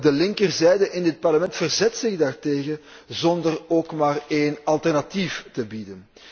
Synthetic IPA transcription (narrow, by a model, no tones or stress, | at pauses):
dəlɪŋkərzɛjdəʔɪndɪt̚pɑrləmɛntfərzɛtsɪɣdaːrteːɣə | zɔndəroːkmaːreːnɑlˠtɛrnatiftəbidən